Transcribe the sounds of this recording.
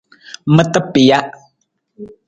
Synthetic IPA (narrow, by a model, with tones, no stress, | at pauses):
mə˦tə˦pi˨ja˦ʔ